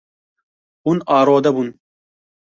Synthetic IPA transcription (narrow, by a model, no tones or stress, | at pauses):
unɑːɾoːd̪ɐbun